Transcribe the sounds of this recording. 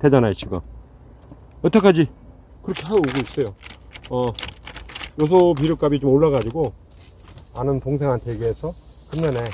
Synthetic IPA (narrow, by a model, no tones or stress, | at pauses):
te̞d͡ʑanaiɕ͈ʰiɡɯ | ʌt͈ʰak͈ʰad͡ʑi | kɯɾʌkʰe̞ɦaoɡois͈ʌjoʌ | jos̬ʰʌp̬iɾjok͈abit͡ɕomoɭːaɣad͡ʑiɡo | anɯntoŋs̬ʰe̞ŋɦantʰeɡiesʰʌkɯnːane̞